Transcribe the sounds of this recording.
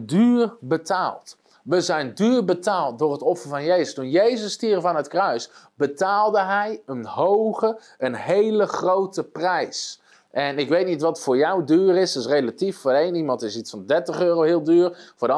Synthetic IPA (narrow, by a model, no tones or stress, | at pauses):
dyːrbətaːlˠt | ʋəzɛjndyːrbətaːlˠt̚dʊːrɦətɔfərvɑnjejzəstunjejzəstiərəvanətkrœɥsbətaːlˠdəɦɛjənhowɣə | ənɦejləχrowtəprɛjs | ʔɛnɪkʋejtnitʋɑtfʊːɹjɔwdyːrɪsɪsrelatiffʊːdəejnimɑ̃ntɪsitsfɑndɛrtəχøːrowɦɪəlˠdyːrfʊːdə